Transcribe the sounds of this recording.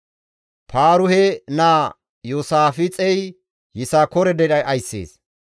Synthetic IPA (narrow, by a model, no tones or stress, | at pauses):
pʰaːɾʊhɛnaː | joːsaːfɪt͡sʼɛj | jɪsaːkɔɾɛd̪ɛdɐjʔɐjsːḛːs